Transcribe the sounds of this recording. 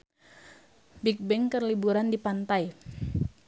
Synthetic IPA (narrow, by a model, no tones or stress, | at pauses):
bik̚bɛŋkərlibuɾandipant̪aj